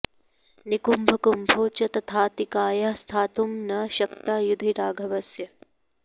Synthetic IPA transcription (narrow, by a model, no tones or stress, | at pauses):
nikumbʱɐkumbʱoːt͡ʃɐt̪ɐt̪ʰaːt̪ikaːjast̪ʰaːt̪umnɐʃɐkt̪aːjud̪ʱiɾaːɡʱɐʋɐsjɐ